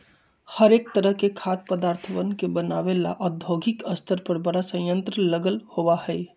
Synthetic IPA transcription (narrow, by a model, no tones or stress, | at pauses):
həɾeːk̚t̪əɾəɦkekʰaːt̪̚pəd̪aːɾt̪ʰəʋənkebənaːʋela̰ʔɔd̪ʱoːɡʱɪkəst̪ʰəɾpəɾbɐɽasə̃jjə̃nt̪ɾələɡəlhoʋahɛː